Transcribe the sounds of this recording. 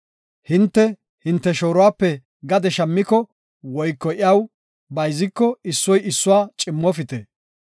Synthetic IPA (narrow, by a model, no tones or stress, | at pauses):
hɪnt̪ːɛ | hɪnt̪ːɛʃo̞ːɾʊwaːpːɛ | ɡɐd̪ɛʃɐmːɪkɔ | wɔjkːɔʔɪjɐw | bɐjzɪkːɔɪsːɔjɪsːʊwaːt͡ʃʼɪmːɔfɪt̪ɛ